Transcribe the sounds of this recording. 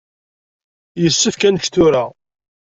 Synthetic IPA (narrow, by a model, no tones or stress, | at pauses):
jəsːəfkænʃθʊɾa